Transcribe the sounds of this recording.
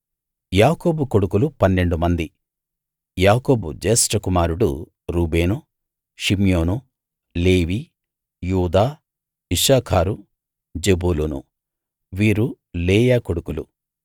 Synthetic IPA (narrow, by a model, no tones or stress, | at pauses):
jaːko̞ːbukoɽukulupɐnːe̞ɳɖumɐnd̪i | jaːko̞ːbud͡ʒeːsʈɐkumaːɾuɽṵ | ɾuːbe̞ːnu | ʃimjo̞ːnu | le̞ːʋiː | juːd̪aː | iʂaːkʰaːɾu | d͡ʒe̞buːlunṵ | ʋiːɾu | leːjaːkoɽukulṵ